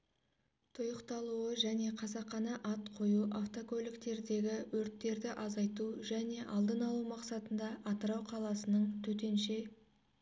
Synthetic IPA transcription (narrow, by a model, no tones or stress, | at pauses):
t̪ʰʊjəqt̪ɑlˠuəʒæne̞qʰɑzɑqːɑnɑʔɑt̪qʰo̞juʔaft̪oko̞lʲɪkt̪e̞ɾd̪e̞ɡʲɪwɵɾt̪ːe̞ɾd̪ɪʔɑzɑjt̪uʒæne̞ʔɑ̰lˠd̪ənɑlˠumɑqsɑt̪ənd̪ɑʔɑt̪əɾɑwqʰɑlˠɑsənəɴt̪ʰɵt̪e̞nʃe̞